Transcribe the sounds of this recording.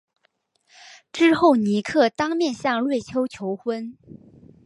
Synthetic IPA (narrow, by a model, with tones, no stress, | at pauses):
ʈ͡ʂɻ̩˥xo˥˩ʊni˧˥kʰɤ˥˩t̪ɑ˥ŋmjɛ˥˧nɕjɑ˥˧ŋlwe˥˩ɪt͡ɕʰjo˥ʊt͡ɕʰjo˧˥ʊxwə˥n